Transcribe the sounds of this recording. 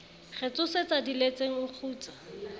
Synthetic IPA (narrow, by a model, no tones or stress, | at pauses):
χɛt͡sʼʊset͡sadilet͡seŋ̩ʊk͡xʰuːt͡sḁ